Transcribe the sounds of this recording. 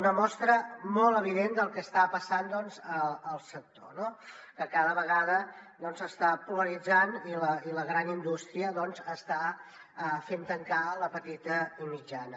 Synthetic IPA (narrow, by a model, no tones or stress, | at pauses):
unəmɔst̪ɾəmɔlˠəβ̞iðend̪əlˠkəːst̪apəsand̪ɔnzəəlˠsək̚t̪ono | kəkaðəβəɣaðəd̪ɔnzəst̪apuləɾid͡zaniləiləɣɾanind̪ust̪ɾiəðɔnzəst̪a | əfent̪əŋkaləpət̪it̪əimid͡ʒanə